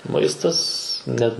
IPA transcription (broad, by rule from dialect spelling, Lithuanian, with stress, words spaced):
ˈmɐɪstɐs nʲɛt